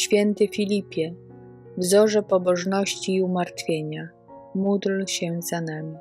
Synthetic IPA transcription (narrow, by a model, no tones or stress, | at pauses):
ɕfʲjɛnt̪ɘfʲilʲipʲjɛ | vzɔʐɛpɔbɔʐnɔɕt͡ɕiːumaɾt̪fʲjeɲa | mud̪lɕɛzanamʲi